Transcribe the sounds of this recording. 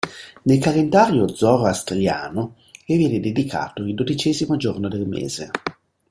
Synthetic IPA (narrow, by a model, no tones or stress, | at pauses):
nelkalend̪aːɾjod̪zɔɾast̪ɾja̰ːno | kevjɛːned̪ed̪ikʰa̰ːt̪oild̪od̪it͡ʃɛːzimod͡ʒornod̪elmḛːz̥e